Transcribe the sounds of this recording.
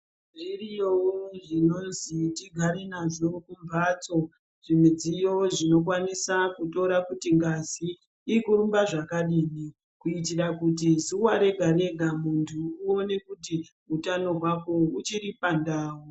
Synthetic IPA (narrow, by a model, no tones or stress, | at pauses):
ʐirijowoʐino̞nzitiɡʱaɾenaʐokumbat͡so̞ | ʐimed͡zijoʐino̞k̬wanisakuto̞ɾakutiŋɡaziː | kuɾumbaʐakaɗiːni | kuit̬iɾakut̬izuwaɾe̞ɡʱaɾe̞ɡʱamuntʰuːone̞kuti | utano̞ɦwako̞ut͡ʃiɾipandaːwo